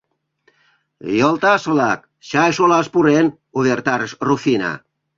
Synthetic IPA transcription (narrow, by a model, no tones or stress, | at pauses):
jɔlt̪asβlak̚ | ʃaeʃolaspuren | uðeɾt̪aɾsrufina̰